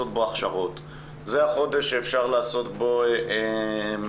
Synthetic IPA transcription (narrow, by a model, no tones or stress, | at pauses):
ot̪̚boaχʃaʁot | zeaχo̞d̪e̞ʃeːfʃaʁlaːso̞t̪bo̞ | m